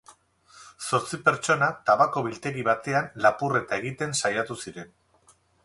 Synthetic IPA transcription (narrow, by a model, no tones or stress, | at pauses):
so̞ɾt͡sipe̞ɾt͡ʃo̞nat̪aβako̞βilt̪e̞ɾiβ̞at̪e̞anlapure̞t̪ae̞ɣit̪e̞nsajat̪usiɾe̞n